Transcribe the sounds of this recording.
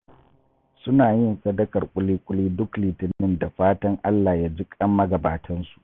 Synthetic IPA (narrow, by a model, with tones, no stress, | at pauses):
sʊ˦naː˨jɪ˦nsɐ˦dɐ˦kɐ˨rkʷʼʊ˦liː˦kʷʼʊ˦liː˦dʊ˦kliː˨tɪ˦nːɪ˦nda˨ɸaː˦tɐ˦ŋʔa˦lːaː˨jaː˦d͡ʒɪ˦kʼɐ˦mːɐ˦ɡɐ˨baː˨tʰɐ˦nsu̥˨ʔ